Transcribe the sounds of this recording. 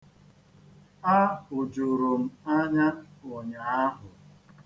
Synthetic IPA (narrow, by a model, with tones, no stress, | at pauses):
a˦ʊ˨d͡ʒo˨ɾo˨m̩˦a˦ɲa˦o˨ɲa˨a˦ɦʊ˨